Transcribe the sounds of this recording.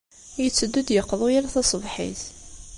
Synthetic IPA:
jət͡sːəd̪ːud̪jəqːðˤujalaθɑsˤəvħḭθ

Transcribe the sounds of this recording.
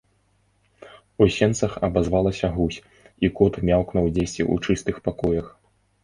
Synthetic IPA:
usʲɛnt̪sɐxɐbazvalˠɐsʲɐɣusʲ | ikɔt̪mʲawknɐwd͡zʲesʲt͡sʲḭṵt͡ʂɨst̪ɨxpakɔjɐx

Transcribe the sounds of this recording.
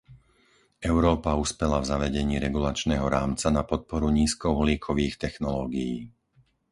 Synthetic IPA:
ʔɛʊɾɔːpauspɛlavzaʋɛɟɛɲiːɾɛɡulat͡ʃnɛːɦɔɾaːmt͡sanapɔt̪̚pɔɾuɲiːskɔʊɦliːkʰɔʋiːxt̪ɛxnɔlɔːɡijiː

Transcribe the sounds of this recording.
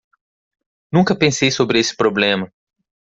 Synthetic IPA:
nũŋkɐpẽsejsobɾɪesɪ̥pɾoblẽmɐ

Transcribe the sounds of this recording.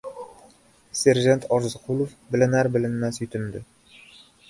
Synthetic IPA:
sʲeɾʒant̪ʰɒɾzqʰulˠofbɪlɪnæɾbɪlɪnmæsjɵt̪ɪnd̪ɪ

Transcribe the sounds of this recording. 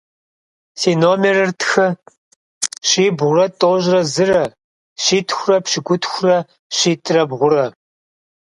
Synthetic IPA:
siːnoːmerɐrtʰxɐ | ɕiːbʁʷʊrɐtʼoːʒrɐzɨrɐ | ɕiːtʰxʷʊrɐpɕɪɡʷʊtʰxʷʊrɐ | ɕiːtʼrɐbʁʷʊrɐ

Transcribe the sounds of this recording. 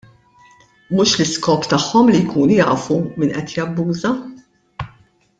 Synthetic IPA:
mʊʃlɪskɔːpt̪ɐħːɔmlijkʰuːnujɐːfumiːnʔɛt̪jɐbːuːzɐ

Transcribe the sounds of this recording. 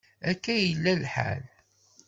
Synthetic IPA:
ækːæjəlːælħa̰l

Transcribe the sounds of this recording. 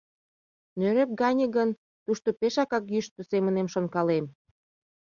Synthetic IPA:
nøɾep̚ɡɑnʲə̆ɣən | t̪uʃt̪opeʃɑkɑkjyʃt̪osemənemʃonkɑlem

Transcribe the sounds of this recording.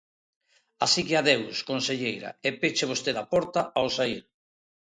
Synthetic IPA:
asikɪaðewskonseʎejɾɐ̰epet͡ʃeβ̞ost̪eðapɔɾt̪aʔaosaiɾ

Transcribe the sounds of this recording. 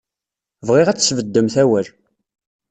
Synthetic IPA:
vʁiʁæt͡sːsvəd̪ːəmθæwæl

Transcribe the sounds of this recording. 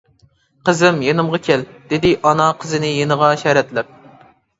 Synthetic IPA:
qəzɪmjenɨmʁɑkʲʰɛld̪̥ɪd̪ɪʔɑnɑqʰəzɪnɪjenəʁɑʃɛɾɛt̪lɪp̚

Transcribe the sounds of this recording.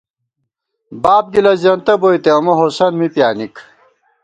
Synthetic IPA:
baːp̚ɡilɐzɐnt̪ɐbojt̪eɐmɐɦosɐnmipjaːnik

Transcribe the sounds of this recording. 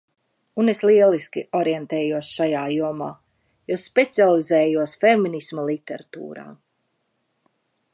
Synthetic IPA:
uneslˠiɛlˠiskiʔɔɾɛnt̪ɛːjuɔsʃajaːjuɔmaː | jɔspet̪sialˠizɛːjuɔsfeminismalˠit̪eɾat̪ṵːɾa̰ː

